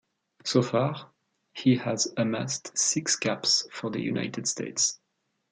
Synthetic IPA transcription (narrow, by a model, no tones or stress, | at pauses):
sofɑʁ | hihəzəmastsɪksɡ̥apsfɔ˞ðə̰jṵna̰ɪtʰɨd̥stʰḛɪts